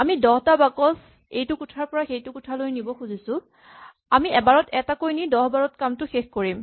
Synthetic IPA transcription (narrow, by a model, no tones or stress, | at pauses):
amidɔɦtabakɔs | ejtʊkutʰaɹpɔɹaxejtʊkutʰalojnibɔxuzisʊ̃ | amiɛbaɹɔtɛtakojnidɔɦbaɹɔt̚kamtʊxexkoɹim